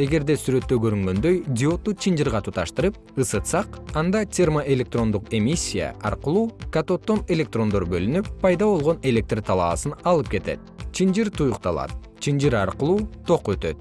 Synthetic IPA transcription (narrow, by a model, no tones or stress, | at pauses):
e̞ɡe̞ɾd̪e̞syɾø̞t̪ːøɡø̞ɾyŋɡø̞nd̪ø̞jd̪ʲio̞t̪ːut͡ʃʰind͡ʒiɾʁɑt̪ut̪ʰɑʃt̪ɯɾɯp̚ɯsɯt̪sɑqɑnd̪ɑt̪ʲermoʔe̞lʲe̞k̚t̪ro̞nd̪uqe̞mʲisʲːija̰ɑ̰ɾqɯlˠuːkat̪o̞t̪ːo̞ne̞lʲe̞k̚t̪ro̞nd̪o̞ɾbø̞lynypːɑjd̪ɑβo̞lˠʁo̞ne̞lʲe̞k̚t̪rt̪ʰɑlˠɑ̰ːsɯnɑlˠɯp̚ke̞t̪e̞̰t̪̚t͡ʃʰind͡ʒiɾt̪ʰujuqt̪ɑ̰lˠɑ̰t̪ | t͡ʃʰind͡ʒiɾɑɾqɯlˠuːt̪ʰo̞qø̞t̪ø̞̰t̪̚